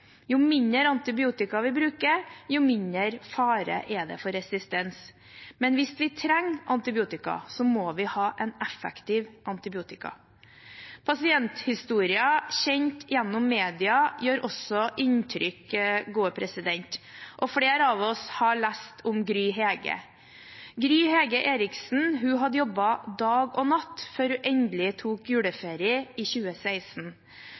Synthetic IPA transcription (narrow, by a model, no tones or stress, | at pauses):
jʊmɪnd̪əɾɑnt̪ɪbɪuːt̪ɪkɑʋɪbɾʉːkəɾjʊmɪnəɾfɑːɾə̰ʔɛd̪ɛ̰fɔɾɛsɪst̪ɛns | mɛnʋɪsʋɪt̪ʰɾɛŋːʔɑnt̪ɪbɪuːt̪ɪkɑ̰sɔmoːʋɪhɑːʔɛnɛfɛkt̪ʰɪːʋʔɑnt̪ɪbɪuːt̪ɪkɑ̰ | pʰɑsɪɛnt̪hɪst̪uːɾɪɑçɛnt̪ɪjɛnːʊmːeːd̪ɪɑjøːɾʔɔsɔʔɪnt̪ʰɾʏkɡuːəpʰɾɛsɪd̪ɛnt̪ʔɔfɽeːɾɑːʋɔshɑɭæst̪ʰʊmɡɾyːɦeːɡə̰ | ɡɾyːheːɡəʔeːɾɪksn̩ɦʉɦɑd̪əjɔbɑd̪ɑːɡɔːnɑt̪ːføːɾhʉʔɛnd̪lɪt̪ʰuːkjʉːɽəfeːɾɪəiːçʉːəsæɪsn̩